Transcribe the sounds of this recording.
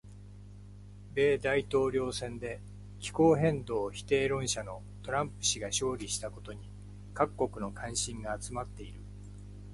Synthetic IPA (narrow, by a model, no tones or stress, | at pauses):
be̞ːd̪ait̪o̞ːɾʲo̞ːsẽ̞nd̪e̞ | kʲi̥ko̞ːɦẽ̞nd̪o̞ːçi̥t̪e̞ːɾõ̞ɰ̃ɕano̞ | t̪o̞ɾãmpɯ̟̥ɕiɡaɕo̞ːɾʲiɕi̥t̪ako̞t̪o̞ɲ̟i | kakːo̞kɯ̟no̞kʰãɰ̃ɕĩŋɡaːt͡sɨmat̪ːe̞iɾɯ̟